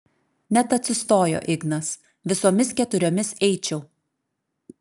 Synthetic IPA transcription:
nʲɛt̪ɐt̪ʲsʲɪst̪oːjo̰ːʔɪɡnɐs | ʋʲɪsoːmʲɪskʲɛt̪ʊɾʲoːmʲɪsɛɪt͡ʃʲɛʊ

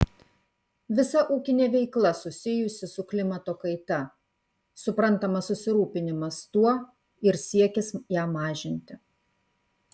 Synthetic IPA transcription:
ʋʲɪsɐʔuːkʲɪnʲeːʋʲɛɪklˠɐsʊsʲɪjʊsʲɪsʊklʲɪmɐt̪oːkɐɪt̪ɐ | sʊpɾɐnt̪ɐmɐsʊsʲɪɾuːpʲɪnʲɪmɐst̪uɔ | ɪɾsʲiɛkʲɪsjæːmɑːʒʲɪnʲt̪ʲɪ

